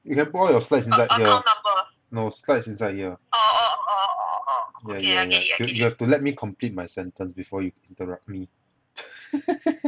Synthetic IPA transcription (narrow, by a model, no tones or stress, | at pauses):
jukɛ̃npuɔljɔslaɪts̬ĩnsajd̚hiəabə | noslaɪtsĩnsaɪd̚hiə | jajajajujuhɛftulɛt̚mikʰɔ̃mplit̚majsɛ̃ntə̃nsbifɔjuĩntəɹʌp̚t̚mi